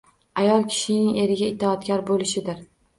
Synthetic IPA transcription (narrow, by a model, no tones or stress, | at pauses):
ajɒlˠkʲʰɪ̥ʃɪnɪŋe̞ɾɪɡʲaɪt̪ʰːɪɒt̪kʲaɾbolɪʃɪd̪ɪɾ